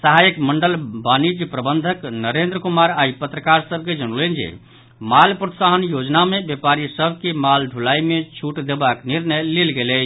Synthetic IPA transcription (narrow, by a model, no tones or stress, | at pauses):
səɦajəkməɳɖəlbanid͡ʒjəpɾəbənd̪ʱəknəɾend̪ɾəkumaɾaipət̪ɾəkaɾsəbʱked͡ʒənulend͡ʒḛ | malpɾət̪saɦənjod͡ʒnamebjepaɾisəbʱkemalɖʱulaimet͡ʃʰuʈd̪ebakniɾnəjlelɡelət͡ʃʰ